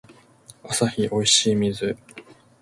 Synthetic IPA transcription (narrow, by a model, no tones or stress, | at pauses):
asaçiʔo̞iɕiːmʲizɨ